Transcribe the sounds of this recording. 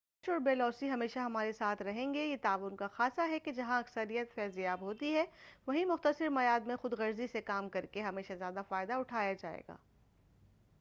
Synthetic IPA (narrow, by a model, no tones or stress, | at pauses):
t͡ʃɔːɾbeːlɔːsiɦɐmeːʃaɦɐmaːɾesaːt̪ʰɾɐɦẽːŋɡejet̪aːʋʊnkaxaːsaɦɛked͡ʒɐɦãɐksəɾijət̪fɛːzijaːbɦoːt̪iɦɛʋɐɦimʊxt̪əsɪɾmɐjaːd̪mẽxʊd̪ɣɐɾzisekaːmkɐɾkeɦɐmeːʃazjaːd̪afaːɪd̪aʊʈʰaːjad͡ʒaːḛːɡa̰ː